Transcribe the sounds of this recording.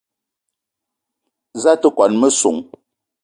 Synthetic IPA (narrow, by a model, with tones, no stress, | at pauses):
za˦tə˦kwa˨nmə˦su˨ŋ